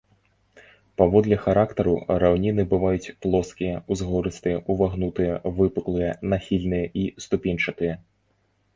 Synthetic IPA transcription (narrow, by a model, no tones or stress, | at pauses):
pavɔd̪lʲɐxaɾakt̪ɐɾuɾawnʲinɨbɨvajut͡sʲplˠɔskʲijɐuzɣɔɾɨst̪ɨjɐʔuvaɣnut̪ɨjɐvɨpɨklˠɨjɐnaxʲilʲnɨjɐʔist̪upʲinʲt͡ʂɐt̪ɨjɐ